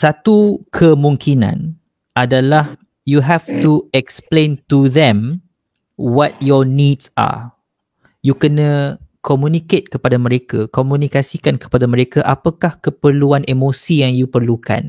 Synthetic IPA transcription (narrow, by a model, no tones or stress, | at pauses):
sat̪ukʰəmũŋkʰinã̰n | ʔadalah | juɦɛftuɛksplẽntuðɛ̃m | wɔt̪̚jɔnidsa̰ | jukənə̃kʰɔmjũniket̪̚kəpadamə̃ɾekakomũnikasikankə̥padamə̃ɾekaʔapakahkəpərluanʔemosijaŋjupərluka̰n